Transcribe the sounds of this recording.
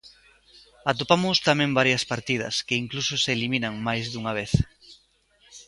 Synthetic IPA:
at̪opamʊst̪amẽŋbaɾjɐspaɾt̪ið̞ɐ̰skeiŋklusʊseːliminɐŋmajzðuŋɐβ̞eθ

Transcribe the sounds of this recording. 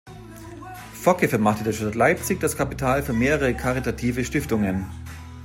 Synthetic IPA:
fɔkəfɛɐmaχtədeɐʃtatlaɪp̚t͡sɪçd̥askʰapi̥tʰaːlfyːɐmeːʁəʁəkʰaʁitatʰiːvəʃtɪftʊŋən

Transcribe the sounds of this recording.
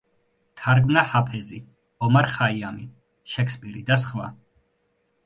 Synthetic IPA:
t̪ʰaɾɡmnahapʰɛzi | ɔmaɾχaiami | ʃɛkʰspʼiɾid̪asχvwa̰

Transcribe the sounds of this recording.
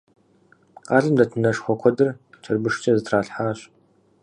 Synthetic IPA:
qɑːɮɨmdɐtʰɨnɐʂχʷɔkʷʰɔdɨrt͡ʃʰɐrbɨʂt͡ʃʰʼɐzɨtʰraːɬħaːɕ

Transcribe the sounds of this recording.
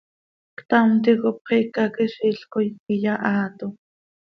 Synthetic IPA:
kt̪amt̪̬ikop̚χikakiʃiɬkojijaʔaːt̪o

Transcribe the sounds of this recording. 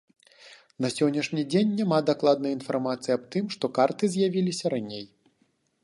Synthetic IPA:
nɐsʲɔnʲːɐʂnʲid͡zʲenʲːamad̪aklˠad̪nɐjɐinfarmat̪sɨjiab̚t̪ɨmʂt̪ɔkart̪ɨzʲjavʲilʲisʲɐɾanʲej

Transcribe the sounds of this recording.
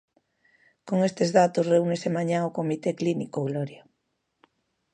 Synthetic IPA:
koŋest̪ezðat̪osreunesemaɲãŋokomit̪eklinikoɣloɾja

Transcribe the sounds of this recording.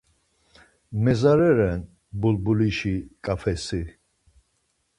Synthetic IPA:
mɛzaɾɛɾɛn | bulbuliʃikʼafʰɛsi

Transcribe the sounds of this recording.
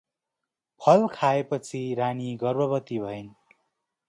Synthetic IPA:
pʰʌlkʰaepʌt͡sʰiɾaniɡʌrbʌbʌt̪ibʱʌin

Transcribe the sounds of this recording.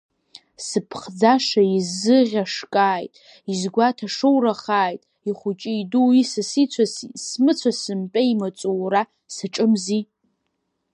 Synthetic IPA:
sɨpʰχd͡zaʂaizɨʁʲaʂkʼaːjtʼ | izɡʷatʰaʂɨwraχaːjtʼ | iχʷʊt͡ʃʼɪjduisasit͡sʷʰassmɨt͡sʷʰasɨmpʲʼeimat͡sʼuwra | saʈ͡ʂʼɨmzi

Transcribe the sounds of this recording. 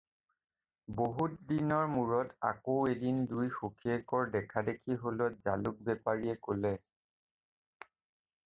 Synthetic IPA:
boɦutdinɔɹmuɹɔta̰koedindujxukʰiɛkɔɹdɛkʰadekʰiɦolɔt̚za̰luk̚bɛpaɹiɛkolɛ

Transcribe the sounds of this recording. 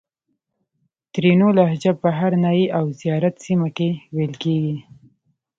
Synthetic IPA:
t̪ɾenolahd͡ʒab̚pəɦaɾnɑjiʔawzijɑɾat̪simakewelkeɡi

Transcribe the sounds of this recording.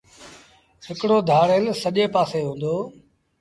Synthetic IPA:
hɪkɽoːd̪ʱaːɽelsəʄeːpaːseːɦũːn̆d̪oː

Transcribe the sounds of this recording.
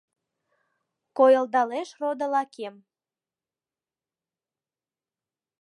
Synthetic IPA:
kojəld̪ɑleʃrod̪əlɑkʰem

